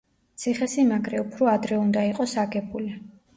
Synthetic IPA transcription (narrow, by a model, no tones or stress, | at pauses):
t̪sʰiχɛsimaɡɾɛupʰɾɔad̪ɾɛund̪aiqʼɔsaɡɛbuli